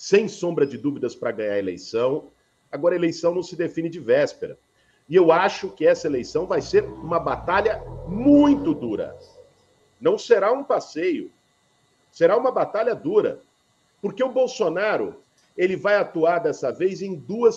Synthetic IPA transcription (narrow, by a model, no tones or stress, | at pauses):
sẽj̃sõmbɾɐd͡ʒɪd̪uvid̪ɐspɾɐɡɐ̃ɲaɾelḛjsɐ̃w̃ | aɡɔɾɐelejsɐ̃w̃nɐ̃w̃sɪd̪efĩnɪd͡ʒɪvɛspeɾɐ | ɪewaʃʊkɪɛsɐelejsɐ̃w̃vajseɾũmɐbat̪aʎɐmũj̃t̪ʊd̪uɾɐ̰ | nɐ̃w̃seɾaũpasejʊ | seɾaũmɐbat̪aʎɐd̪uɾɐ̰ | poɾkeʊbowsonaɾʊ̰ | elɪvajat̪uaɾd̪ɛsɐvejzẽj̃d̪uɐs